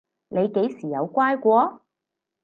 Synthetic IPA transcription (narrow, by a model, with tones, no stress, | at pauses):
ne˨˧jke˨˥jsiː˨˩jɐ˨˧wkʷaː˥jkʷɔː˧